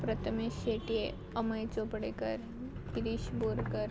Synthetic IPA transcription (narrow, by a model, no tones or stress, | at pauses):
pɾɐt̪ʰəmeʃeːʈie | ɐməjt͡ʃopɽekəɾ | kɪɾiʃboːɾkəɾ